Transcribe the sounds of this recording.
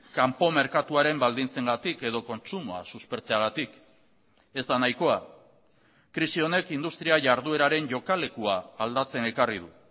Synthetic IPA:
kampo̞me̞ɾkat̪uaɾe̞mbald̪int͡se̞ŋɡat̪ike̞ð̞o̞ko̞nt͡sumoa̰suspe̞ɾt͡se̞aɣ̞at̪ik | e̞zd̪anajko̞a | kɾisio̞ne̞kind̪ust̪ɾiaʝaɾðue̞ɾaɾe̞nʝo̞kale̞kuaːld̪at͡se̞ne̞karið̞u

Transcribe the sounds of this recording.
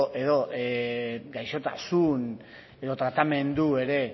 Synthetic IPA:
e̞ðo̞ | ɡajʃo̞t̪a̰sun | e̞ðo̞t̪ɾat̪ame̞nd̪ue̞ɾe̞

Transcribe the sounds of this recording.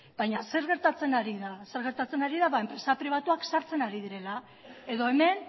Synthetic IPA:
b̥ajɲase̞ɾɣ̞e̞ɾt̪at͡se̞naɾiðase̞ɾɣe̞ɾt̪at͡se̞naɾiðaβae̞mpɾe̞sapɾiβ̞at̪uaksaɾt͡se̞naɾið̞iɾe̞la | e̞ðo̞e̞me̞n

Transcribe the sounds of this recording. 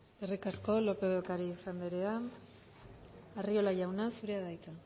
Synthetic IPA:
eskerikasko̞lo̞pe̞ðokaɾisand̪eɾea | ario̞laʝawnasuɾe̞aðajt͡s̪a

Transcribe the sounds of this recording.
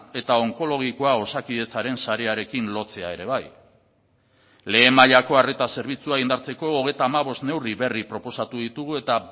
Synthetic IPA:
e̞t̪ao̞ŋko̞lo̞ɣ̞iko̞ao̞sakiðe̞t͡saɾe̞nsaɾe̞aɾe̞kinlo̞t͡se̞ae̞ɾe̞β̞aj | le̞ːmaʎako̞are̞t̪ase̞ɾβ̞it͡suaɣind̪aɾt͡se̞ko̞ːɣ̞e̞jt̪aːmaβo̞st̪ne̞wriβe̞ripɾo̞po̞sat̪uðit̪uɣue̞t̪a

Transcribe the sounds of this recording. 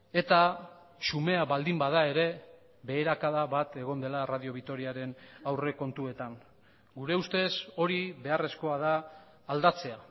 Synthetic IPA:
e̞t̪a | sume̞aβald̪imbað̞ae̞ɾe̞ | βe̞ːɾakaðaβat̪e̞ɣo̞nd̪e̞larað̞io̞βit̪oɾiaɾe̞nawre̞ko̞nt̪ue̞t̪aŋ | ɡuɾe̞ust̪e̞so̞ɾiβe̞are̞sko̞að̞aː | ld̪at͡se̞a

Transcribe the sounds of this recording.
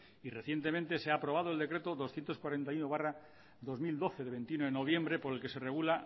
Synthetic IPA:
ire̞θje̞nt̪e̞mẽnt̪e̞seaːpɾo̞β̞að̞oe̞ld̪ekɾe̞t̪o̞ðo̞sθje̞nt̪oskwaɾe̞nt̪ajunoβara | d̪o̞zmild̪o̞θe̞ðeβe̞nt̪junoðeno̞β̞je̞mbɾe̞po̞ɾe̞lke̞se̞re̞ɣ̞ula

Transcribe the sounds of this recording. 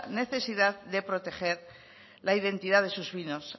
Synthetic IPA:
ne̞θe̞siðaððe̞pɾo̞t̪e̞xe̞ɾ | laiðe̞nt̪iðaðe̞suzβino̞s

